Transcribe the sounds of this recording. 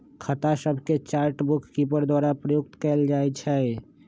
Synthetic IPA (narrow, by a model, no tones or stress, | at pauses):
kʰət̪asəbʱket͡ʃaːɾʈbʊkʰːip̬əɾd̪waːɾapɾəjʊk̚t̪kɛld͡ʒaːɛt͡ʃʰɛ